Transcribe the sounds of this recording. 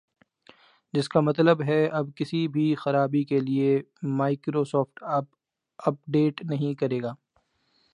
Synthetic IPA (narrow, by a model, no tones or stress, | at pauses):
d͡ʒɪskamɐt̪ləbɦɛɐbkɪsibʱixɐɾaːbikeliemaːɪkɾosɔːfʈ | ɐp̚ɖeːʈnɐɦĩkɐɾeːɡaː